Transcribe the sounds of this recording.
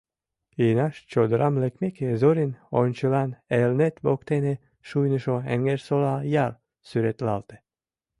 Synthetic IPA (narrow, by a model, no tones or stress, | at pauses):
inɑʃt͡ʃod̪ɾamlekmekezoɾinonʲt͡ʃɨlɑnelnet̪bokt̪ene | ʃujnɨʃoḛŋɡeɾsolɑjɑl | syɾet̪lɑlt̪e̥